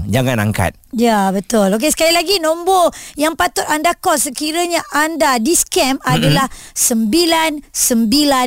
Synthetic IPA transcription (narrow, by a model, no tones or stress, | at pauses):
d͡ʒaŋana̰ŋka̰t̪̚jabət̪ʊlok̬esə̥kalilaɡinõmbojaŋpat̪ʊt̪andakɔsəkiɾəɲaʔandadiskɛmadalahsəmbilansəmbila